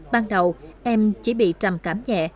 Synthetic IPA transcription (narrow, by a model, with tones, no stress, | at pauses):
ɓaː˧nɗə˨˩wʔɛ˧mt͡ɕi˨˦ɓḭ˧˨t͡ɕa˨˩mkaː˨˦mɲɛ̰˧˨